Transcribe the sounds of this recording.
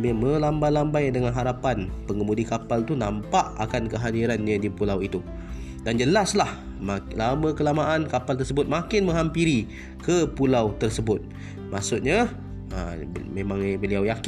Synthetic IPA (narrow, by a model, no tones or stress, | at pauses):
bemə̃lambalambajdəŋanɦaɾapanpəŋəmudikapalt̪unampaʔa̰kankəɦadiɾanːədipulawit̪u | dand͡ʒəlaslah | malamə̃kəlamaʔankapalt̪ərsəbʊt̪̚makɪnmə̃ŋɦampiɾi | kəpulawt̪ərsəbʊt̪̚ | maʔsʊt̪̚ɲa | ə̰mẽmãŋbəliawjak